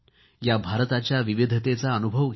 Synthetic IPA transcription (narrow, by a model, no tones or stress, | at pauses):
jabʱaɾt̪at͡ɕjaʋiʋid̪ʱət̪et͡saənubʱəʋɡ